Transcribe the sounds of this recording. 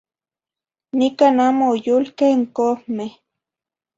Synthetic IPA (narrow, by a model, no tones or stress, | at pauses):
nɪkanamoːjʊlkeŋkohme